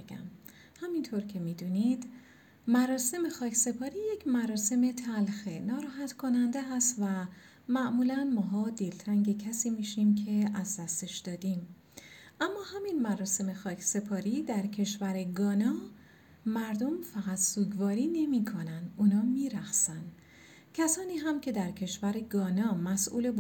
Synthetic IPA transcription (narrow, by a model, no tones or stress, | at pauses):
eɡæ̰m | hæmint̪ʰoɾcʰe̞mid̪uːnid̪ | mæɾɒːse̞me̞xɒːcʰse̞pʰɒːɾiːje̞cʰmæɾɒːse̞me̞t̪ʰælxenɒːɾɒːɦæt̪kʰo̞nænd̪eɦæst̪væ | mæʔmuːlænmɒːɦɒːd̪elt̪ʰɾæŋɟe̞cʰæsiːmiːʃimcʰe̞ʔæzd̪æst̪e̞ʃd̪̥ɒːd̪im | ʔæmːɒːhæminmæɾɒːse̞me̞xɒːcʰse̞pʰɒːɾiːd̪æɾcʰe̞ʃvæɾe̞ɡɒːnɒː | mæɾd̪o̞mfæɣæt̪suːɡvɒːɾiːne̞mikʰonænd̪uːnɒːmiːɾæxsænd̪ | cʲʰæsɒːniːɦæmcʰe̞d̪æɾcʰe̞ʃvæɾeɡɒːnɒːmæsʔṵːleb